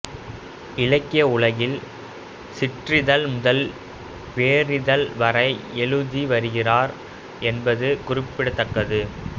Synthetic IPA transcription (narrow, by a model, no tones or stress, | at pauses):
ɪlɐkːɪjɐʊɭɐɣɪl | sɪʈrɪðɐlmʊðɐl | ʋeːrɪðɐlʋɐɾɐɪɛɻɯðiʋɐɾɯɣɪraːɾ | ɛnbɐðɯkʊrɪpːɪɽɐt̪ːɐkːɐðɯ